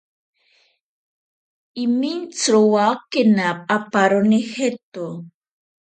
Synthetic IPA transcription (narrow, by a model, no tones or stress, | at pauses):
imint͡sɾuwakɪnap̚apaɾunixet̪o